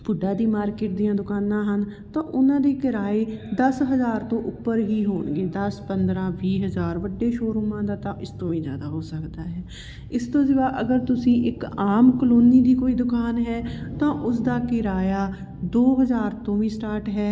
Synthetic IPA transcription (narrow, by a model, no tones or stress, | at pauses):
pʊɖaːd̪iːmaːɾkɪːʈ̚d̪ijãːd̪ʊkaːnãːɦən | t̪ãːʔʊnãːd̪eːkɪɾaːeːd̪əsɦəzaːɾt̪õːʔʊpːəɾɦiːɦoːɳɡeːd̪əspənd̪ɾãːʋiːɦəzaːɾʋəɖːeːʃoːɾumãːd̪aːt̪ãʔɪst̪õːʋĩːzja̰ːd̪aːɦoːsəkd̪aːɦɛː | ɪst̪õːd͡ʒəʋaːʔəɡəɾt̪ʊsĩːʔɪkaːmkəloːniːd̪iːkoːiːd̪ʊkaːnɦɛːt̪ãːʔʊsd̪aːkɪɾaːjaː | d̪oːɦəzaːɾt̪õːʋiːsʈaːɾʈɦɛː